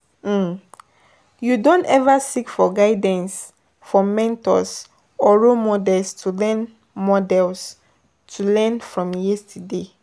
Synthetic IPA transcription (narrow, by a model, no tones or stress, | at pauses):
judõntɛvasikfɔɡaɪdɛ̃ns | fɔmɛ̃ntɔ̰s | ɔɹomɔdɛlstʰulɛ̃n | mɔdɛls | tʰulɛ̃nfɹɔ̃mjɛstʰude